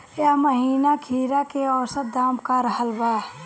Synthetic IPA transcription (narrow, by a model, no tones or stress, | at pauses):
jaməɦiːnakʰiːɾakeɔːsət̪̚d̪aːmkaɾəɦəlbaː